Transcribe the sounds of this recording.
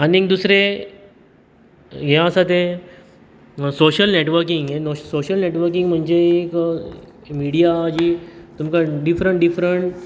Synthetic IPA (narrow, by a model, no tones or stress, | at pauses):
aniek̚d̪usɾe | ɦɛ̃əsat̪̬e | soɕəlneʈʋəɾk̬iŋɡenosoɕəlneʈʋəɾk̬iŋɡm̤əɳd͡ʑeːk | miɽijaːd͡ʑiːt̪umkaɖifɾəɳʈɖifɾəɳʈ